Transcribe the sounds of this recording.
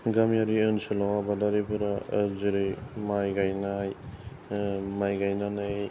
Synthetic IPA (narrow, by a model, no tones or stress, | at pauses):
ɡamjaɾiɯnsɯlawabadaɾibɯɾaziɾɯjmajɡajnaj | majɡajnana